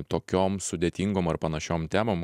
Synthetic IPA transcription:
t̪oːkʲoːmsʊd̪ʲet̪ʲiŋɡoːmɐrpɐnɐʃʲoːmt̪ʲæːmoːm

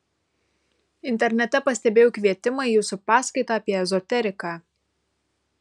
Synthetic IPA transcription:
ɪnʲt̪ʲɛɾʲnʲɛt̪ʲɛpɐsʲt̪ʲɛbʲeːjoʊkʋʲiɛt̪ʲɪmɐɪjuːsʊpɑːskɐɪt̪ɑːpʲiɛɛzɔt̪ʲɛɾʲɪkɑː

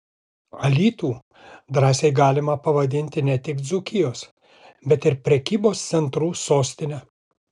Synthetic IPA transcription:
ɐlʲiːt̪uː | d̪ɾɑːsʲɛɪɡɑːlʲɪmɐpɐʋɐd̪ʲɪnʲt̪ʲɪnʲɛt̪ʲɪkd̪zʊkʲɪjoːs | bʲɛt̪ɪɾpʲɾʲɛkʲiːboːst̪sʲɛnt̪ɾuːsoːsʲt̪ʲɪnʲɛ

